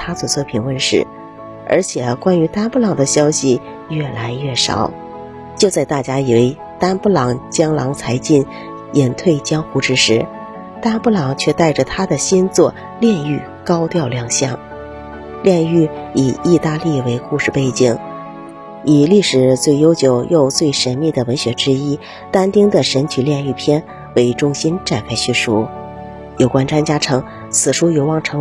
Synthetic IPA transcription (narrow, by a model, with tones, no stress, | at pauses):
t̪ʰa˥t͡sɔ˨˩t͡sʰwɔ˥˩pʰi˧˥nwə˥˧nʂɻ̩˥˩ | ə̰˞˧˥t͡ɕʰjɛ˨˩kwa˥ny˧˥t̪a˥npu˥˩lɑ˨˩ŋd̪ə˦ɕjɑ˥ʊɕi˨ | jɥɛ˥˩la˧˥ɪɥɛ˥˩ʂɑ̰˨˩˦ʊ | t͡ɕjo˥˧ʊt͡sa˥˧ɪt̪a˥˩t͡ɕja˥i˨˩we˧˥˩ɪ | t̪a˥npu˥˩lɑ˧˥ŋt͡ɕjɑ˥ŋlɑ˧˥ŋt͡sʰa˧˥ɪt͡ɕi˥˩n | jɛ˨˩nt̪ʰwe˥˩ɪt͡ɕjɑ˥ŋxu˧˥ʈ͡ʂɻ̩˥ʂɻ̩˧˥ | t̪a˥pu˥˩lɑ˨˩ŋt͡ɕʰɥɛ˥˧t̪a˥˩ɪʈ͡ʂə˩t̪ʰa˥d̪ə˨ɕi˥nt͡swɔ˥˧ | ljɛ˥˧ny˥˩ | kɑ˥ʊt̪jɑ˥˧ʊljɑ˥˧ŋɕjɑ˥˩ŋ | ljɛ˥˧ny˥˩i˨˩i˥˧t̪a˥˧li˥˩we˧˥ɪku˥˧ʂɻ̩˥˧˩pe˥˧ɪt͡ɕi˨˩ŋ | i˨˩li˥˩ʂɻ̩˨˩t͡swe˥˩ɪjo˥ʊt͡ɕjo˨˩ʊjo˥˧ʊt͡swe˥˩ɪʂə˧˥nmi˥˩d̪ə˩wə˧˥nɕɥɛ˧˥ʈ͡ʂɻ̩˥i˥ | t̪a˥nt̪i˥ŋd̪ə˨ʂə˧˥nt͡ɕʰy˨˩ljɛ˥˧ny˥˩pʰjɛ˥n | we˧˥˩ɪʈ͡ʂʊ˥ŋɕi˥nʈ͡ʂa˥˩nkʰa˥ɪɕy˥˩ʂu˥ | jo˨˩ʊkwa˥nʈ͡ʂwa˥nt͡ɕja˥ʈ͡ʂʰɤ˧˥ŋ | t͡sʰɹ̩˨˩ʂu˥jo˧˥ʊwɑ˥˩ŋʈ͡ʂʰɤ˧˥